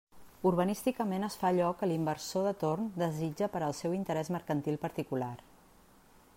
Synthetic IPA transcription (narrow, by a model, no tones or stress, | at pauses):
uɾβ̞ənist̪ikəmenəsfaʎɔkːəlimbəɾsoðət̪ornd̪əzid͡ʒəpəɾəːlˠsɛwint̪əɾɛzməɾkənt̪ilˠpəɾt̪ikular